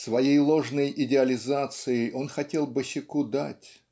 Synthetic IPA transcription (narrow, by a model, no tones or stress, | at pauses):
svɐjejlˠo̞ʐnəjʔɪdʲɪɐlʲɪzat̪sɨɪʔo̞nxɐtʲe̞lˠbəɕʲɪkud̪atʲ